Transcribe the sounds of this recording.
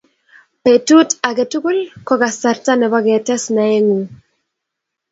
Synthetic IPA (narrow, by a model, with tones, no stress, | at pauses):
pe˨tu˦ta˨ɡɛ˨tu˦ku˦lkɔ˦ɡa˨sa˨rta˦nɛ˨ba˦ɡɛ˨tɛ˦sna˨ɛ˦ŋu˨